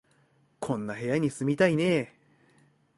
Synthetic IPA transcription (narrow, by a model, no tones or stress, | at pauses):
kʰõ̞nːaɦe̞jaɲ̟isɨmʲit̪aine̞